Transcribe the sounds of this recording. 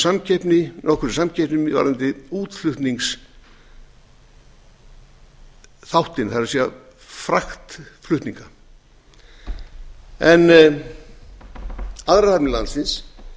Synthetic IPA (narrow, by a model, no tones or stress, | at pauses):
samcʰɛjpnɪnʔɔhkʰɛɾɪsamcʰɛpnɪmva̰ɾɪnt̪ɪuːt̪flʏht̪niŋks | θawht̪ɪnθaɾasiːafɾaxt̪flʏht̪niŋka | ɛn | aðɾaapnɪla̰nt̪sɪns